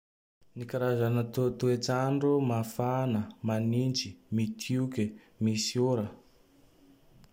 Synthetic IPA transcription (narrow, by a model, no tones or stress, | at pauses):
nikaɾazanət̪ut̪uet͡saɳɖ͡ʐumafanəmanind͡ʒimit̪ʰukʲi | misuɾə